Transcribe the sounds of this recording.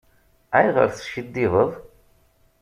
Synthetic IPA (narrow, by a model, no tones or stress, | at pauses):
æjʁə̰ɾθʃəd̪ːɪðəðˤ